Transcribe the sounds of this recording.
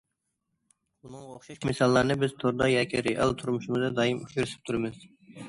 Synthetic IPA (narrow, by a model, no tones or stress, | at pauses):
nɑŋoχʃiʃmɪsɑlˠːɑːnɨbɪz̥t̪ʰoɾd̪ɑjɑːkʲʰiɾeʔɑ̰lˠt̪ʰuɾmuʃumɨzɨd̪ɑːjimuʃuɾsɨ̥p̚t̪ʰuɾɨmɨz̥